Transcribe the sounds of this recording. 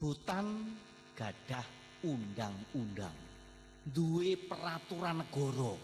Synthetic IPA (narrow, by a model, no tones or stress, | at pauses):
b̥ut̪an | ɡ̥a̤ɖ̥ah | undaŋunda̰ŋ | nd̪uwepəɾat̪uɾanːəɡ̥ɔ̤ɾɔ